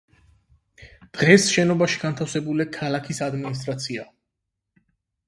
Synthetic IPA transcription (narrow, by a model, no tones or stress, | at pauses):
d̪̥ʁɛsʃɛnɔbaʃi̥ɡant̪ʰafsɛbulikʰalˠakʰisad̪minis̬t̪ʼɾat̪sʰia